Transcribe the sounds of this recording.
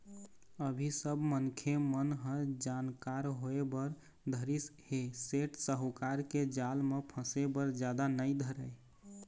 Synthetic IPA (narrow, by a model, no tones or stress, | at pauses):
əbʱisəbmənkʰemənɦə̃d͡ʒankaɾɦoebəɾ | d̪ʱəɾisheseʈsəɦukaɾked͡ʒalmepʰə̃sebəɾd͡ʒjad̪anəjd̪ʱəɾəj